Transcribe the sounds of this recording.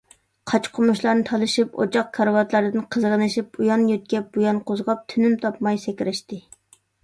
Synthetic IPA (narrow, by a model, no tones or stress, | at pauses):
qʰɑt͡ʃqʰʊmuʃlˠɑɾnɨt̪ʰɑlˠɨʃipo̰t͡ʃʰɑq̚kʰɑɾwɑt̪lˠɑɾɨd̪ɨnqʰəzəʁənɨʃip̚ujɑnjøt̪̚kʲɛp̚bujɑnqʰozʁɑp̚t̪ʰynymt̪ʰɑpmɑjsɛkʲɾɪʃt̪ɪ